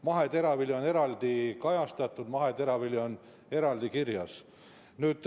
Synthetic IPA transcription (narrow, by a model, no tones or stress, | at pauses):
mɑɦe̞t̪e̞ɾɑviljone̞ɾɑld̪̥ikɑjɑst̪ɑt̪ːˑud̪mɑɦe̞t̪e̞ɾɑvilʲjon | e̞ɾɑld̪ikirjɑs | nyːd̪̥